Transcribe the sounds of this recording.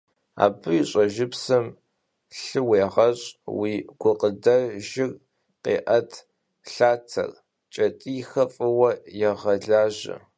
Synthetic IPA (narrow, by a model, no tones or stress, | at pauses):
a̰ːbɨjiɕʼɐʒɪpsɐm | ɬɨweːʁɐɕʼwiːɡ̥ʷʊqʼədɐʒɪr | qeːʔɐtʰ | ɬaːtʰɐ̰r | t͡ʃʼɐtʼixɐfʼɨwɐjɛʁɐɮaːʒɐ̰